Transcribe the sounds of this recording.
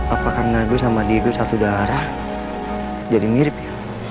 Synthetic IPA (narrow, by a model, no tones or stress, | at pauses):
apakarnaɡusamadidusat̪udaɾa | d͡ʒadimiɾɪp̚ja